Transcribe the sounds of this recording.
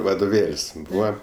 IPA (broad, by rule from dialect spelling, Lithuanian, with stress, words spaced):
ʋɐdoːˈʋʲeːlʲsʲ ˈbuːʋɐ